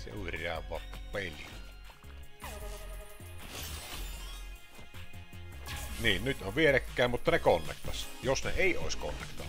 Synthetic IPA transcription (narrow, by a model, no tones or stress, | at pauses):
sḛurɑ̰ːʋʋɑ̰pːpelʲḭl | niːnnyt̪oʋʋielekːæˑːmmut̪ːɑnekonːḛkt̪ɑsjosnḛeˑioˑesko̰nːḛkt̪ɑ̰